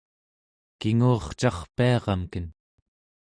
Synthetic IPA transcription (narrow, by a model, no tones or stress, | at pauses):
kiŋuːχt͡ʃɑχpiɑʁɑmkən